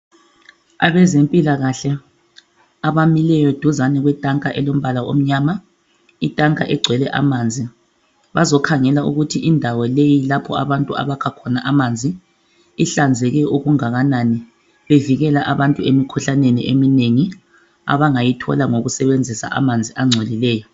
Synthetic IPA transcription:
a̰βɛzempʼilaɣaɬɛ | aβamilɛjɔd̥ʱuzanɛɣwɛtʼaŋkʼaʔɛlom̩βalao̰m̩ɲaːma | itʼaŋkʼaʔɛɡ͡ǀʱwɛlɛʔa̰maːnd͡zʱi | βazɔkʰaŋɛlaṵɣutʰiʔindʱawɔlejilapʰɔ̰a̰βantʼua̰βakʰakʰɔnaʔamand͡zʱiː | ɬand͡zʱɛɣɛʔuɣuŋaɣanani | βeviɣɛlaʔaβantʼuemikʰuɬanenḭʔemineŋi | a̰βaŋajitʰɔ̰laŋoɣusɛβend͡zʱisa̰ʔa̰mand͡zʱiʔaŋ͡ǀʱolilɛːjɔ

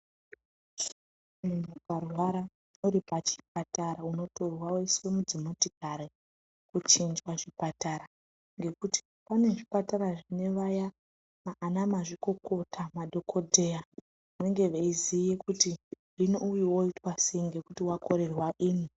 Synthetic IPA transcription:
mumukarwaɾa | noɾipat͡ʃi̥p̚ataɾauno̞to̞rwaweisemud͡zimotikaɾe | kut͡ʃind͡ʒwaʐipataɾa | ŋɡe̞kuti̥ | pane̞ʐipataɾaʐine̞ʋaja | maʔːnamaʐiko̞ko̞tʰamaɗʱo̞kʰo̞dʱe̞ja | eŋɡe̞ʋeizijekutiʐinoujiwo̞itwase̞iŋɡe̞kutiwako̞ɾe̞rwaʔiːni

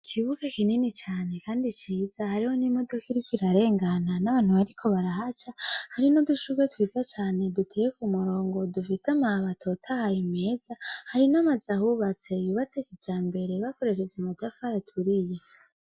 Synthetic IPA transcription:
kʰiβuɡakininit͡ʃaːne̞kaːndit͡ʃiːzahaɾiho̞nimo̞dokiɾikwiɾaɾe̞ːŋɡananaβaːn̥huβaɾikʰo̞βaɾaɦat͡ʃahaɾino̞duʃuɡwetwiːzat͡ʃaːne̞dutʰejekumuɾo̞ːŋɡo̞dufisamaβatʰo̞tʰahajime̞ːz̥ahaɾinamazahuβat͡se̞juːβat͡sekid͡ʒaːmbe̞ɾe̞βako̞ɾe̞ʃe̞zumudafaɾatʰuɾije

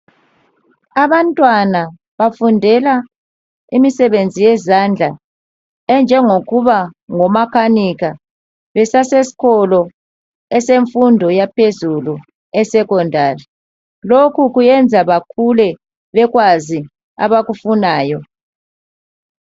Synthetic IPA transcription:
aβantʼwana | βafundʱɛla | imisɛβend͡zʱijɛzand͡ɮʱa | ɛnd͡ʒʱɛŋoɣuβaŋɔmakʰaniɣa | βɛsasesi̥kʰɔlɔ | ɛseɱfundʱɔjapʰezulu | ɛsɛkɔndʱari | lokʰuɣujɛnd͡zʱaβakʰulɛ | βɛɣwazi | a̰βaɣufunaːjɔ

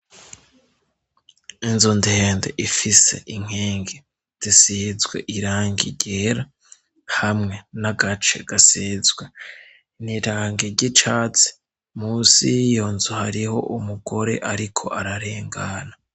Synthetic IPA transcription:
inzondiheːndḛʔifise̞̰ʔiŋ̥heːŋɡe | z̥isizɡwe̞̰ʔiɾaːŋɡḭɟeːɾa | hamŋe̞naɡat͡ʃe̞̰ɡ̥asiːzɡwe | niɾaːŋɡeɾɟit͡ʃaːt͡si̥ | muːsijoːnzohaɾiho̞̰ʔumuɡo̞ɾe̞̰ʔaɾikʰo̞̰ʔaɾaɾe̞ːŋɡana

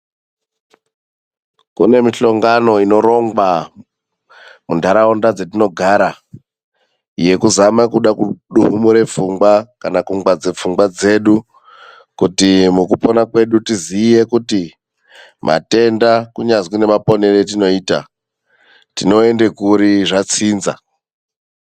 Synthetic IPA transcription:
kṵne̞miɬo̞ŋɡano̞ino̞ɾo̞ŋɡwa | mundʱaɾaondad͡zetino̞ɡʱaːɾa | je̞kuzamakuɗakuɗuɦumuɾe̞fuŋɡwakanakuŋɡwad͡ze̞p͡fuŋɡwad͡ze̞ːɗu | kutimukupo̞nakwe̞ɗutizije̞kuti | mʔa̰te̞ndakuɲazwine̞mapo̞ne̞retino̞iːta̰ | tino̞e̞nde̞kuɾiʐat͡siːnza̰

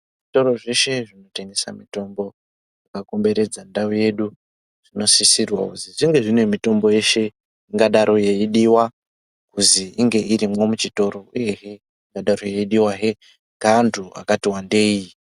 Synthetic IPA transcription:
ʐito̞ɾo̞ʐe̞ʃe̞ʐino̞tenesa̰mito̞mbo̞ | ʐakako̞mbe̞ɾe̞d͡zandauje̞ɗu | ʐ̥ino̞sisirwa̰kuziʐiŋɡe̞ʐinwemito̞mbo̞je̞ʃe̞ | iŋɡaɗaɾʔo̞je̞iɗiwa | kuziiŋɡe̞iɾimwo̞mut͡ʃito̞ɾo̞uje̞ɦe̞ | iŋɡaɗaɾoje̞iɗiwaɦe̞ | ŋɡantʰua̰katiwande̞iji

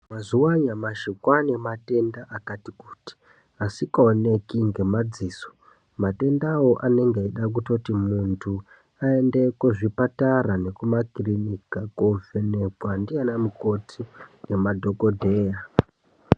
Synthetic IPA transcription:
mazuwaɲamaʃikwane̞mate̞ndaʔakatiku̥ːti̥ | asikaone̞kiŋɡe̞mad͡ziːso̥ | mate̞ndawoʔane̞ŋɡeiɗak̬uto̞timuntʰu | aende̞kwoʐipataɾane̞kumakirinikakovʱene̞kwandianamuko̞tʰine̞madʱo̞ko̞dʱe̞ːja

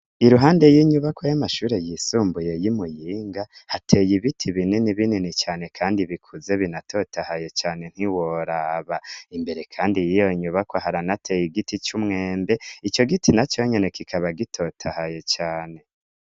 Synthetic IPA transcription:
iɾuɦaːnde̞jiːɲuβakojamaʃuːɾe̞jisuːmbuje̞jimujiːŋɡahatʰe̞jiβitʰiβininiβininit͡ʃaːne̞kʰaːndiβikʰuze̞βinatʰo̞tahajo̞t͡ʃaːne̞n̥hiwoɾaːβaimbe̞ɾe̞kʰaːndijijo̞iɲuβakoɦaɾanatʰe̞jiɡitit͡ʃumŋeːmbe̞it͡ʃo̞ɡitinat͡ʃo̞ɲene̞kikʰaβaɡitʰo̞tʰahajot͡ʃaːne̞

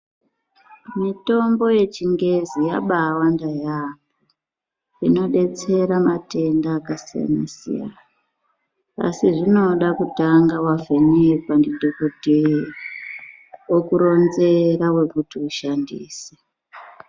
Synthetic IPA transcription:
mito̞mbo̞je̞t͡ʃiŋɡe̞zijaɓawandajapbo | ino̞ɗe̞t͡se̞ɾamate̞ndaːkasija̰na̰sḭja̰na | a̰siʐino̞ɗakutaŋɡawavʱeɲekwandidʱokote | okuɾo̞nze̞ɾawe̞kutiuʃandḭːse̥

